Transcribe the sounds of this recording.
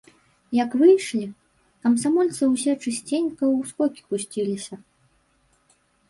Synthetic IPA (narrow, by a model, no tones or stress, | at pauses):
jɐkvɨjʂlʲi | kɐmsamɔlʲt̪sɨwsʲɛt͡ʂɨsʲt͡sʲenʲkɐwskɔkʲi̥pusʲt͡sʲilʲisʲɐ